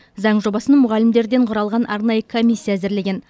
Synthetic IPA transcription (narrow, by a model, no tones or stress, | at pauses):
zɑɴʒo̞bɑsənmʊʁɑlɪmd̪e̞ɾd̪e̞ɴqʰʊɾɑlˠʁɑnʔɑ̰ɾnɑjəkʰo̞mʲijsʲːijaːzɪɾle̞ɡʲe̞n